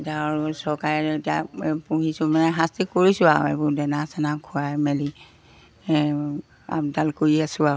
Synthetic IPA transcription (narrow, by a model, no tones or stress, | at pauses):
taɔɹsɔɹkaɹɛetijapuɦisʊ̃manɛɦastikoɹisʊa̰ḛbudɛnasɛnakʰʊajmɛli | a̰bdalkoɹiasʊa